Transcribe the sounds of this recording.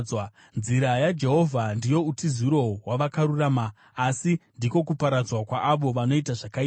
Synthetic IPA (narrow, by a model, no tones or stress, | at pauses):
wa | nziɾajad͡ʒe̞ɦo̞vʱandijo̞utiziɾo̞waʋakaɾuraːmaː | sindiko̞kupaɾad͡zwakwaʔːʋo̞ʋano̞itaʐakai